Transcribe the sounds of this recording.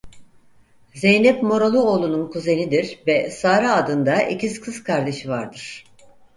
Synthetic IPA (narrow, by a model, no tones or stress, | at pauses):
zejnɛpmo̞ɾalˠuolˠununkʰuze̞nid̪iɾvɛsaːɾaːd̪ɯnd̪aʔḛciskʰɯz̥kʰaɾd̪e̞ʃivaɾd̪ɯɾ̥